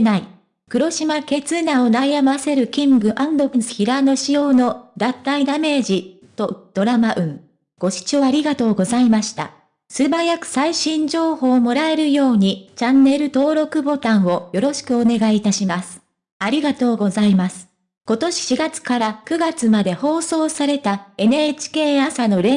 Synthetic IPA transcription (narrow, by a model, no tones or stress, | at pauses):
nai | kɯ̟ɾo̞ɕimake̞t͡sɨnao̞najamase̞ɾɯ̟kʲĩŋɡɯ̟ʔãnd̪okisɨ̥çiɾano̞ɕijo̞ːno̞d̪ãnt̪ːaid̪ame̞ːʑi | t̪o̞d̪̥o̞ɾamaʔɯ̟̃ŋ | ɡ̥o̞ɕi̥t͡ɕo̞ːaɾʲiɡat̪o̞ːɡo̞zaimaɕi̥t̪a̰ | sɨbajakɯ̟̥saiɕĩɲ̟d͡ʑo̞ːho̞ːmo̞ɾae̞ɾɯ̟jo̞ːɲ̟it͡ɕãnːe̞ɾɯ̟t̪o̞ːɾo̞kɯ̟bo̞t̪ãɰ̃o̞jo̞ɾo̞ɕi̥kɯ̟o̞ne̞ɡait̪aɕimasɨ̥ | aɾʲiɡat̪o̞ːɡo̞zaimasɨ̥ | ko̞t̪o̞ɕi̥ɕiɡat͡sɨ̥kaɾakɯ̟ɡat͡sɨmad̪e̞ho̞ːso̞ːsaɾe̞t̪ae̞neːt͡ɕi̥ke̞ːasano̞ɾe